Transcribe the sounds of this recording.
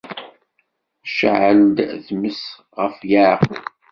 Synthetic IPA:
ʃʕəld̪ðməs | ʁəfjaɾʁ

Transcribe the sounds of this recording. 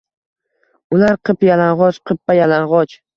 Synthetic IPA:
ʊlaɾqʰɨpjalanʁɒt͡ʃqʰɨpːajalanʁɒt͡ʃ

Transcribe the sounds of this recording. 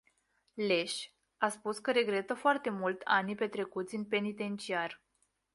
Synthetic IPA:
le̞ʃ | aspuskəɾe̞ɡɾe̞t̪əfoart̪e̞mult̪ʲanipe̞t̪ɾe̞kut̪sʲɨnpe̞nit̪e̞nt͡ʃiar

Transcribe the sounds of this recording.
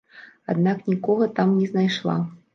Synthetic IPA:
a̰d̪̚naknʲikɔɣɐt̪amnʲɛznajʂlˠa̰

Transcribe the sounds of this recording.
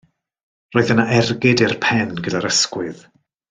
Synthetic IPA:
roːɨðənaʔɛrɡɪdɪrpʰɛnɡədaɾəskwɨð

